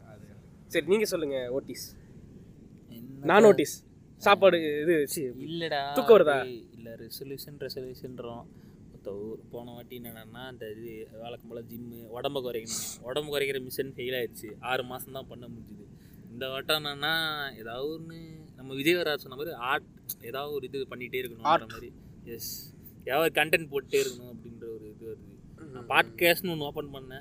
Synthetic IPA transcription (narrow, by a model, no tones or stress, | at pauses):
ɐðɯɐ | sɐɾiniːŋɡɐsɔlːɯŋɡɐoːʈːiːs | ɛnːnaːnoːʈːiːs | saːpaːɽɯɪðɯʋt͡ʃːɪlːɐɽaːʊkːɐʋɐɾt̪ãːɪlːɐɾɛsɔljuːʂɐnɾɛsɔljuːʂɐnɾõː | ɔt̪ːɐpoːɳɐʋaːʈːinːɐnɐːnːaːɪnd̪ɐɯʋɛːɭɐkːɐmbɐɭlɐd͡ʒɪmːɯʋɔɽɐmbɐkɔɾɐkːɪnɔɽɐmbɐkɔɾɛkːɪɾɐmɪsɐnfɛjɪlaːɪɾɯt͡ʃːɯaːɾɯmaːsɐ̃mt̪ãːpɐɳːɐmʊɽɪɲd͡ʒɐðɯ | ɪnd̪ɐʋɐʈːɐ̃naːnːaːɛːðaːʋðɾɯnɯnɐmːɐʋɪd͡ʒɐjɐʋɐɾaːsɔnːɐmaːd̪ɾiaːɾʈ | ɛːðaːʋðɯɔɾɯɪðɯpɐɳːɪʈːeːɪɾɯkːɐnʊ̃ːɐmaːɾi | jɛs | jaːʋaːðɯkɐɳʈɛɳʈ̚poːʈːeːɪɾɯkːɐnʊ̃ɐpːɐɽɪnrɐɔɾɯɪðɐʋɐɾɯ | naːpaːɾʈkeːsʈnɯɔnːɯoːpɐɳpɐɳːɐnɛ̃